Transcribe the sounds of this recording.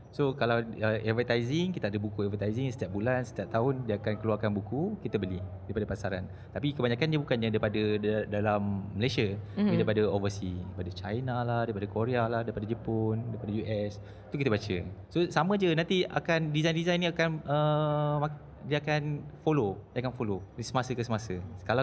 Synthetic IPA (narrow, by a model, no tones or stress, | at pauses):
sokalawəʔɛvət̪ajzɪŋkit̪adəbukuɛvət̪ajzɪŋsə̥t̪iaʔ̚bulansə̥t̪iaʔ̚t̪aʊndiəakankəluarkanbukukit̪əbəlidaɾipadəpasaɾa̰n | t̪apikəbaɲãkanɲəbukanɲadaipadədalamːəlesiadaɾipadəovəsiipadət͡ʃajnalahdaɾipadəkoɾealahdaɾipadəd͡ʒəpɔndaɾipadəjuʔɛs | t̪ukit̪əbat͡ʃə̰sosamə̃d͡ʒənant̪ia̰kandizajndizajnĩakanəma | diakanfolodiəakanfolosəmasəkəsəmasəsə̥kala